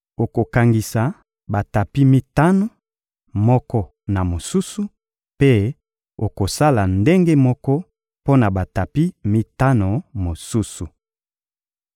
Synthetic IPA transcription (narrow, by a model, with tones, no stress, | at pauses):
o˨ko˨ka˨ŋɡi˨sa˨ | ba˨ta˨pi˦mi˦ta˦no˦˨ | mɔ˦kɔ˦ | na˨mo˨su˦su˦ | pe˦ | o˨ko˨sa˦la˨nde˦ŋɡe˦mɔ˦kɔ˦ | po˦na˨ba˨ta˨pi˦mi˦ta˦no˨mo˨su˦su˨